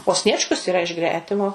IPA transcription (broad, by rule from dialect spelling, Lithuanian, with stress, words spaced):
oː ˈsʲnʲiɛt͡ʃkʊs iːˈrɐ ɪʃ ˈɡrʲæːtʲɪmoː